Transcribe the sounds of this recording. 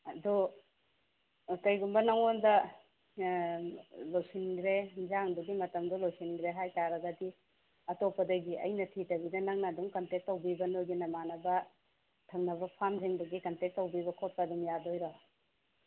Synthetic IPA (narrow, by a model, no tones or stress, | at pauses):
ɐdu | tɐjɡumbɐnɐŋondɐ | lojsinɡɾend͡ʒaŋduɡimɐtɐmdulojsinɡɾeɦajtaɾɐɡɐdi | ɐtopɐdɐɡiɐ̰jnɐtʰitɐbidɐnɐŋnaːduŋkɐntek̚tːɐwbibɐnojɡinɐmanɐbɐ | tʰɐŋnɐβɐpʰamzeŋbɐɡikɐntek̚tːɐwbiβɐkʰot̚pɐduŋjadojɾɔ